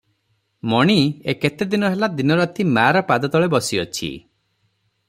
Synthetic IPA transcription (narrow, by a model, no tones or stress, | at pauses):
mɔɽ̃ieket̪ed̪inɔɦelad̪inɔɾɔt̪ʰimaɾɔpad̪ɔt̪ɔɭebɔsiɔt͡ʃʰḭ